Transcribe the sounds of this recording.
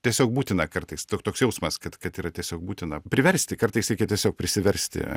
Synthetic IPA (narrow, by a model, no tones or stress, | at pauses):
t̪ʲiɛsʲoːk̚buːt̪ʲɪnɐkɐrt̪ɐɪst̪oːkt̪oːksjɛʊsmɐskɐt̪kɐt̪iːɾɐt̪ʲiɛsʲoːk̚buːt̪ʲɪnɐpʲɾʲɪʋʲɛɾʲsʲt̪ʲɪkɐrt̪ɐɪsɾʲɛɪkʲɛt̪ʲiɛsʲoːk̚pʲɾʲɪsʲɪʋʲɛɾʲsʲtt̪ʲɪ̰